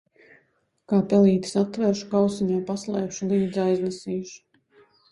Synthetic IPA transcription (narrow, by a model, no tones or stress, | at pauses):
kaːpɛlˠiːt̪i̥sat̪ːvɛɾʃu̥kawsiɲajpaslˠɛːpʃulˠiːd̪zajznɛsiːʃu̥